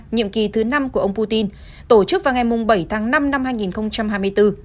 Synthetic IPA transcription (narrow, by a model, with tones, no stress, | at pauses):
ɲḭ˧˨əmki˨˩t̪ʰɨ˨˦na˧mku˧˩əʔə˧wŋ͡mpu˧t̪i˧n | t̪o˧˩t͡ɕɨ˦˥k̚vaː˨˩ŋa˨˩jmʊ˨˩ŋ͡mɓə˧˩jt̪ʰaː˨˦ŋna˧mna˧mhaː˧jŋi˨˩nxə˧wŋ͡mt͡ɕa˧mhaː˧jmɨ˧əjt̪ɨ˧